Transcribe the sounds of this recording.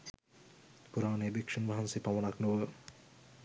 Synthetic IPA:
puɾaːnebikʃənʋaɦansipamonaknuʋə

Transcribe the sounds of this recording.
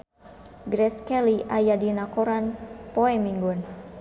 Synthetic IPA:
ɡɾɛskɛliʔajadinakoɾanpoɛmiŋɡun

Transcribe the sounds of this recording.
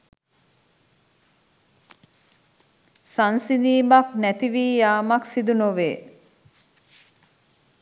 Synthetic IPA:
sansiniːbaknæt̪iʋiːjaːmaksid̪unoʋeː

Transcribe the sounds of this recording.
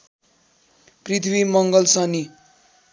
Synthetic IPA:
prit̪ʰbimʌŋɡʌlsʌni

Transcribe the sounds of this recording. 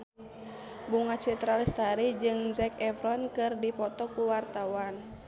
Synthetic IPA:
buŋat͡ʃɛt̪ɾalist̪aɾid͡ʒɨŋd͡ʒɛkɛfɾɔnkɨrdipɔt̪ɔkuwart̪awan

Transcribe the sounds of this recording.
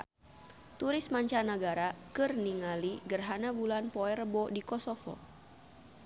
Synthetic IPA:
t̪uɾɪsmaɲt͡ʃanəɡaɾakɨrniŋaliɡərɦanabulanpɔɛrbɔdikɔsɔfɔ̰

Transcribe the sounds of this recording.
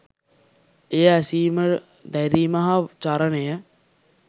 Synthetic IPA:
eːæsiːmə | d̪æɾiːmɐɦat͡ʃaɾənejə

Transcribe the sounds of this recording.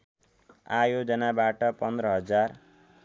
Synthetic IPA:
ajod͡zʌnabaʈʌpʌnd̪ɾʌɦʌd͡zar

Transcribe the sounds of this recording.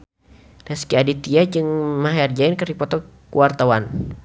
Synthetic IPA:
lɛskiadit̪iad͡ʒɨŋmaɦɛrd͡ʒainkəripɔt̪ɔkuwart̪awan

